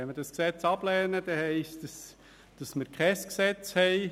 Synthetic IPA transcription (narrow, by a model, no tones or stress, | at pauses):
ɛnməɾd̥ɑsksɛt͡sɑb̥lɛːnəd̥̪ɛhɛɪstəs | d̥ɑsmɪɾkʰχɛsksɛt͡shɛɪ